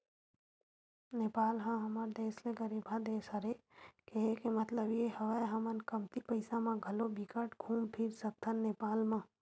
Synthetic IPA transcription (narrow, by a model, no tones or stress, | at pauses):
neːpaːlɦãɦɐməɾd̪eːsleɡəɾibʱad̪eːsəɾekeɦekemət̪ləbjehəʋajɦɐmənkəmt̪ipəɪsãmãɡʱəlobikəʈɡʱũːmpʰiɾsək̚t̪ʰənneːpaːlmã